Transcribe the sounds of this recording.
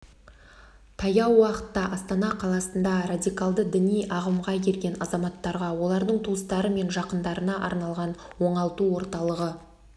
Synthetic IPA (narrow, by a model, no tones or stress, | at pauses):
t̪ʰɑjɑwːɑqə̥t̪ːɑʔɑst̪ɑnɑqʰɑlˠɑsənd̪ɑradʲijkɑlˠd̪əd̪ɪnijɑʁəmʁɑkʲʰe̞ɾɡʲe̞nɑzɑmɑt̪ːɑɾʁɑwo̞lˠɑɾd̪əɴt̪ʰuəst̪ɑɾəme̞nʒɑqənd̪ɑɾənɑʔɑ̰ɾnɑlˠʁɑnwo̞ɴɑlˠt̪uwo̞ɾt̪ɑlˠəʁə